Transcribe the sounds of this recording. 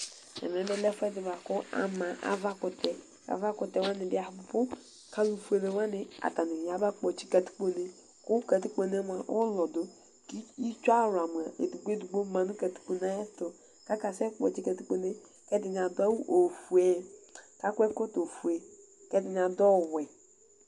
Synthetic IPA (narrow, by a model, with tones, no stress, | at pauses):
ɛ̰˨m˨ɛ̃˨˦bɛ˦lɛ˦fɛ˦dɪ˨va˨kʊ˦a̰˨mã˨ʔa̰˨va˦kʊ˨tɛ˨ | ka̰˨va˦ktɛ˨wa˦nɪ˨bɪ˦a˨hpʊ˨pʊ˦ | kʰa˦lu˨fu˦e˨le˨wa˦nɪ˨a̰˨ta˨nɪ˨a˨˦ba˦k͡pɔ˨t͡ʃi̥˦ka˨tu̥˦k͡po˦ne˦ | kʊ˦ka˨ti˦k͡po˨ne˦m˨a˨ʔɔ̰˦lɔ˨do˨ | ki˦i˦t͡ʃa˦˨ɾʊ˨a˨mu˨a˨e˨du˨ɡ͡be˦du˨ɡ͡bo˦mã˨nʊ˦ka˨tu̥˦k͡po˨na˦ɛ˦stʊ˨ | ka˦ka˨sɛ˦k͡pɔ̰˨t͡ʃi˦ka˨ti˦k͡po˦ne˦ | kɛ˦dɪ˨n˨a˨dʊ˦a˦wu˦ʔo˨fu˨e˦˨ta˦kʷɛ˦kʊ˦to˨fu˨e˨ | kɛ˦dɪ˨n˨a˨dɔ˦˨wɛ˨